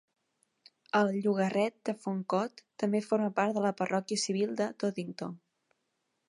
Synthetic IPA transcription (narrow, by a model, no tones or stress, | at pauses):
əlˠʎuɣərɛt̪̚d̪əfoŋkɔt̪ːəmbefoɾməpaɾt̪ðələpərɔkjəsiβ̞ilˠd̪ət̪oðint̪o